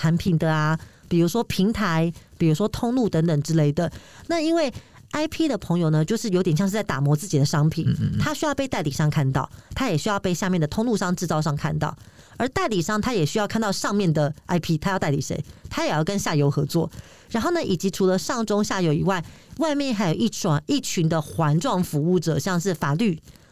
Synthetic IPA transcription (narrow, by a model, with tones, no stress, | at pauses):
t̪ʰa˧˥npʰi˨˩nd̪ə˩a˩ | pi˨˩ɻu˧˥ʂwɔ˥pʰi˧˥ŋt̪ʰa˧˥ɪpi˨˩ɻu˧˥ʂwɔ˥t̪ʰʊ˥˧ŋlu˥˩t̪ə˧˦nt̪ə˨˩ŋʈ͡ʂɻ̩˥le˥˩ɪd̪ə˩na˥˨i˥nwe˥˩ɪ | a˥ɪpʰi˥d̪ə˨pʰɤ˧˥ŋjo˨ʊnə˧˦t͡ɕjo˥˧ʊʂɻ̩˥˩jo˧ʊjɛ˨˩ɕjɑ˥˧ŋʂ̩˥˧t͡sa˥˩ɪt̪a̰˨˩mwɔ˧˥t͡sɹ̩˥˩t͡ɕi˨˩d̪ə˩˦ʂɑ˥ŋpʰḭ˨˩˦nt̪ʰa˥ɕy˥jɑ˥˧pe˥˧ɪt̪a˥ɪli˨˩ʂɑ˥˧ŋkʰa˥˧nt̪ɑ̰˥˩ʊt̪ʰa˥jɛ˨˩ɕy˥jɑ˥˧ʊpe˥˧ɪɕja˥˧mjɛ˥˩nd̪ə˩t̪ʰʊ˥ŋlu˥˧ʂɑ˥˧ŋʈ͡ʂɻ̩˥˧t͡sɑ˥˧ʊʂɑ˥˧ŋkʰa˥˧nt̪ɑ̰˥˩ʊ | ə˞˧˥t̪a˥˩ɪli˨˩ʂɑ˥˧ŋt̪ʰa˥jɛ˨˩ɕy˥jɑ˥˧ʊkʰa˥˧nt̪ɑ˥˧ʊʂɑ˥˧ŋmjɛ˥˨˩nd̪ə˩a˥ɪpʰi˥t̪ʰa˥jʊt̪a˥˩ɪli˨˩ʂḛ˧˥ɪt̪ʰa˥jɛ˨˩jɑ˥˩ʊkə˦nɕja˥˩jo˧˥ʊxɤ˧˥t͡swɔ̰˥˨˩ | ɻa˧˥nxo˥˩ʊnə˩˨ʔi˨˩t͡ɕi˧˥ʈ͡ʂʰu˧˥lə˧ʂɑ˥˩ŋʈ͡ʂo˥ŋɕja˥˩jo˧˥ʊi˨˩wa˥˩ɪwa˥˧ɪmjɛ˥˩nxa˧˥ɪjo˨˩ʔi˥˩˨i˥˩t͡ɕʰy˧˥˦nd̪ə˨xwa˧˥nʈ͡ʂwɑ˥˩ŋfu˧˥u˥˩ʈ͡ʂɤ̰˨˩ɕjɑ˥˧ŋʂ̬ɻ̩˥˩fa˨˩ly˥˩